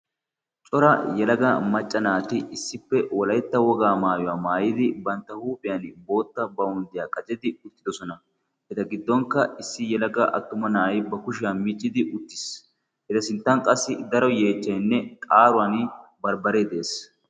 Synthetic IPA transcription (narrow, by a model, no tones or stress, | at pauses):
t͡ʃʼɔɾɐjɛlɐɡɐmɐt͡ʃʼːɐnaːt̪ɪɪsːɪpːɛwɔlɐjt̪ːɐwɔɡaːmaːjʊwaːmaːjɪd̪ɪbɐnt̪ːɐhuːpʼɪjɐnbo̞ːt̪ːɐbɐʊnd̪ɪjaːkʼɐt͡ʃʼɛd̪ɪʊt̪ːɪd̪ɔsɔnɐ | hɛt̪ɐɡɪd̪ːɔŋkːɐɪsːɪjɛlɐɡɐʔɐ̰t̪ːʊmɐnaːjbɐkʊʃɪjɐnmit͡ʃʼːɪd̪ɪʔʊt̪ːɪ̥s | hɛt̪ɐsɪnt̪ːɐnkʼɐsːɪd̪ɐɾɔje̞ːt͡ʃːɐjnːɛkʼaːɾʊwanbɐɾbɐɾeːd̪e̞ːs